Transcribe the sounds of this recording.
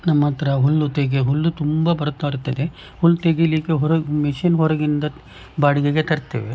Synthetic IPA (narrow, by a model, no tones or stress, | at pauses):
nɐmːɐt̪ɾɐɦulːut̪eɡeɦulːut̪umbɐbɐɾɐt̪ːaɐɾut̪ːɐd̪e | hulːt̪eɡiliːkeɦɔɾɐmiʃinɦɔɾɐɡind̪ɐ | baːɽiɡeɡet̪ɐɾt̪ːḛːʋe